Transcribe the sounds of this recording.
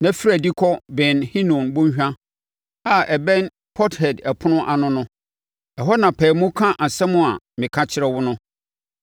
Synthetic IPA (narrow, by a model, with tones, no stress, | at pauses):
nã˦fi˦ɾæ˨di˦kʰɔ˦bɪ̃˨nhĩ˦nũ˨nbʊ̃˦ɕᶣã˦ | a˨ʔɛ˨bɛ̃˦n | pʰɔ˦thɛ˨dɛ˨pʰʊ˦nʊ̃˦ʔa˨nʊ̃˦nʊ̃˦ | ɛ˨ɦɔ˦nã˨pʰɛː˨mʊ̃˦kʰã˦ʔa˨sɛ˦mʊ̃˦a˨ | mɪ̃˨kʰã˦t͡ɕʰɪ˦ɾɛ˦wʊ˦nʊ̃˦